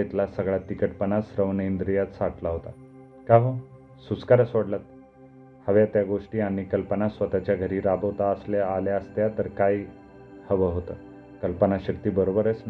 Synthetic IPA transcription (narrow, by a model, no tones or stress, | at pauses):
et̪lasəɡɭat̪ːikəʈpənasɾəʋnənd̪ɾijat̪saʈlaɦot̪a | kaʋə | suskaɾəsoɽlat̪̚ | həʋjat̪jaɡoʂʈiːañikəlpənasʋət̪at͡ɕjaɡʱəɾiːɾabəʋt̪aəsljaaljaəst̪jat̪əɾkai | həʋəɦot̪a̰ | kəlpənaɕəkt̪iːbəɾobəɾəs